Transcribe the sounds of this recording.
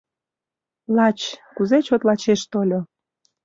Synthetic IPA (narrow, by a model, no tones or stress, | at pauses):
lɑt͡ɕkuzet͡ɕot̪lɑt͡ɕeʃt̪olʲo